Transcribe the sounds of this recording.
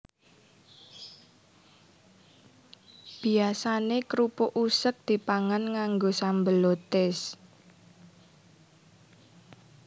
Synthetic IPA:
b̥i̤asanekɾupʊʔusək̚d̪̥i̤paŋanŋaŋɡosambəlot̪ɪs

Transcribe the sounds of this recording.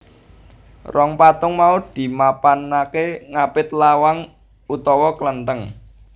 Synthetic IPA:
rɔŋpat̪ʊŋmaud̪̥i̤mapanakeŋapɪt̪lawaŋ | ut̪ɔwɔklənt̪əŋ

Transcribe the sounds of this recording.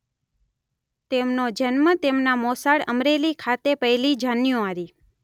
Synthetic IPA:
t̪emnod͡ʒənmət̪emnamɔsaɽəmɾelikʰat̪epəɦilid͡ʒanjõaɾi

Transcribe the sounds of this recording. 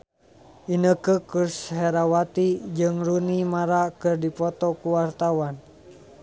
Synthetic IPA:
ʔinəkəkurshɛɾawat̪id͡ʒɨŋrunimaɾakɨrdipɔt̪ɔkuwart̪awan

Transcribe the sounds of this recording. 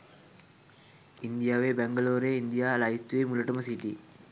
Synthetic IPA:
ind̪ijaːʋebæŋɡəloːɾeːind̪ijaːlaist̪uʋeːmulɐʈəməsiʈi

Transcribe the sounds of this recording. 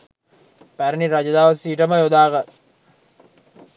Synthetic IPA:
pæɾəniɾad͡ʒɐd̪aːʋɐsiːʈəməjod̪aːɡat̪̚

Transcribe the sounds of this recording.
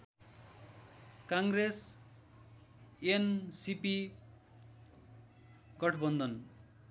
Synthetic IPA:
kaŋɡres | ensipi | ɡʌʈʰbʌnd̪ʌn

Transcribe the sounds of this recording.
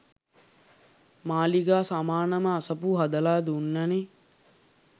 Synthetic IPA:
maːliɡaːsamaːnɐməːsɐpuɦɐd̪ɐlaːd̪unːɐne

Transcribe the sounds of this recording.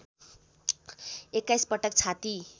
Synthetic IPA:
ekːajspʌʈʌk̚t͡sʰat̪i

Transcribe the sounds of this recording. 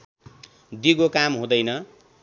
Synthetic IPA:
d̪iɡokamɦũd̪ʌjnʌ

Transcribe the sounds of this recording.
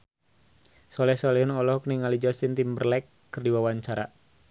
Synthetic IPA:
sɔlɛhsɔlɛhunɔlɔhkniŋalid͡ʒɔsint̪imbərlɛkːɨrdiwawaɲt͡ʃaɾa

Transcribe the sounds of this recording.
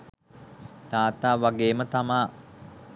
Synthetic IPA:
t̪aːt̪aːʋaɡeːmət̪amaː

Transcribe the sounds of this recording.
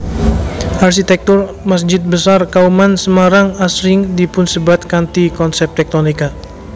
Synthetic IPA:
ʔarʃit̪ɛk̚t̪ʊr | mas̬d͡ʒɪt̪̚bəsarkaumansəmaɾaŋasɾɪŋdipʊnsəbat̪̚kant̪ikɔnsɛp̚t̪ɛk̚t̪onika

